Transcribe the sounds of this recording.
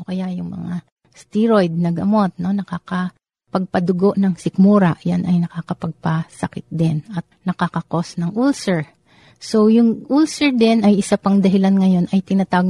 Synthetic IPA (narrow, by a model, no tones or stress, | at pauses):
okɐjaʔjʊŋmɐ̰ŋa | st̪iɹojd̪̚nɐɡɐmo̞t̪̚no̞nɐkaːkɐ | pɐɡ̚pɐd̪ʊɡoʔnɐŋsɪkmuːɾɐʔjanʔɐjnɐkakɐpɐɡ̚pɐsɐkɪt̪̚d̪ɪnɐt̪̚nɐkakɐko̞snɐŋʔulsɛɹ | so̞jʊŋʔulsɛɹd̪ɛnɐjʔɪsapɐŋd̪ɐɦɪlanŋɐjo̞nʔɐjt̪ɪnat̪aːɡ